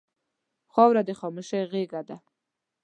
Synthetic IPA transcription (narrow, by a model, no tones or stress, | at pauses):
xawɾad̪eχɔmuʃeɣeɡad̪a